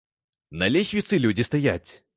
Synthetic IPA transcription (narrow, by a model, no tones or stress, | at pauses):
nɐlʲexʲvʲɪt̪sɨlʲudʲɪst̪ɐjatʲ